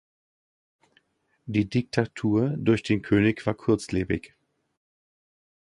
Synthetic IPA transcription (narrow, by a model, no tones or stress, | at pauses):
d̥iːdɪk̚tʰatʰuːɐdʊɐçd̥eːnkʰøːnɪçv̥aːɐkʰʊɐt͡sleːbɪ̰ç